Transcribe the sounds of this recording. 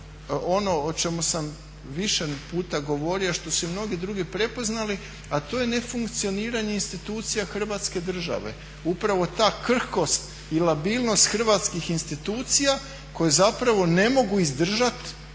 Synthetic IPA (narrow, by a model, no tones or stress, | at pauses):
o̞no̞ot͡ʃe̞musam | ʋiʃepuːt̪aɡo̞ʋo̞ɾioʃt̪o̞sumno̞ɡid̪ɾuɡipɾe̞po̞znali | at̪o̞jene̞fuŋkt̪sio̞niːɾaɲe̞inst̪it̪uːt̪sijaxr̩ʋaːt̪ske̞d̪r̩ʒa̰ʋe̞̰ | upɾaʋo̞t̪aːkr̩ko̞st̪ | ilabiːlˠno̞st̪xr̩ʋat̪skixinst̪it̪uːt̪sija | ko̞jezapɾaʋo̞ne̞mo̞ɡuizd̪r̩ʒat̪